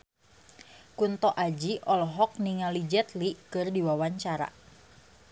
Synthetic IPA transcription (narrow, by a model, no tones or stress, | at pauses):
kunt̪ɔʔad͡ʒiʔɔlɦɔk̚niŋalid͡ʒɛt̪likɨrdiwawaɲt͡ʃaɾa̰